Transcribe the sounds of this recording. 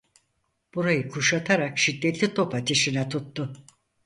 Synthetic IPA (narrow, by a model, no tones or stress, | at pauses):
b̥uɾajɯkʰuʃat̪ʰaɾakʃid̪ːet̪lʲit̪ʰo̞pat̪ʰiʃinɛt̪ʰut̪ːʊ